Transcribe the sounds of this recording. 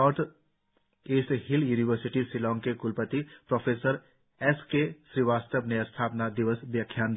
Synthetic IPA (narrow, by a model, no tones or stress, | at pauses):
ɔːɾt̪ʰ | eːsɦɪljuːniʋəɾsɪʈisilɔːŋkekʊlpət̪ipɾɔːpʰeːsəɾ | ɛskeʃɾiʋaːst̪əbneɐst̪ʰaːpnad̪iʋəsbjəkʰːjaːnd̪